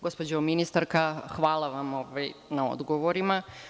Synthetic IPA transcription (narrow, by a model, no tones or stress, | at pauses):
ɡospod͡ʑominist̪aɾkaxʋaːlˠaʋamoːʋajnao̞̰d̪ɡoʋoɾima